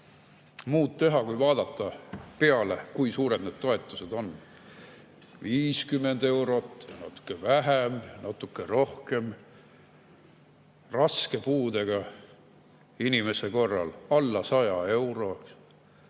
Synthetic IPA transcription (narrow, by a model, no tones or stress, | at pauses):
muːt̪t̪e̞ɦɑkujvɑːd̪̥ɑt̪ˑːɑpeɑlḛkujsuːɾe̞d̪ned̪̥̚t̪o̞e̞t̪ːˑuse̞d̪o̞n | viːskymːe̞nd̪̥e̞wɾo̞t̪ːˑjɑnɑ̰t̪ːˑu̥kːˑevæɦemjnɑt̪ːˑukːˑero̞hke̞m | rɑske̞puːd̪e̞ɡ̥ɑ | inʲime̞se̞ko̞rːɑ̰lɑlːɑsɑjɑe̞wɾo̞k